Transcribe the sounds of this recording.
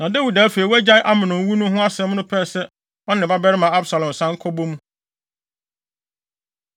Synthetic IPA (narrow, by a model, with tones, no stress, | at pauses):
nã˨da˦wi˨da˨˦fe˨i˨wæ˦d͡ʑa˦ɪ˦ʔa˦mɪ̃˨nʊ̃˨˦wu˦nʊ̃˦ɦʊ̃˦a˦sɛ̃˦m˦nʊ̃˦pʰɛː˦˨sɛ˦ | ɔ˦nɪ̃˨ba˦bɛ˦ɾɪ˦mã˨a˦bsa˨lɔ̃˨m˨sã˦ŋ˦kʰɔ˦bõ˦mũ˦